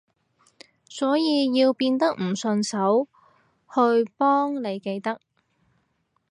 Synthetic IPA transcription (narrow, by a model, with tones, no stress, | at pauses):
sɔː˨˥jiː˨˧jiː˧wpiː˧nt̪ɐ˥k̚m̩˨˩sɵ˧nsɐ˨˥w | hɵ˧ɥpɔː˥ŋne˨˧jke˧jt̪ɐ˥k̚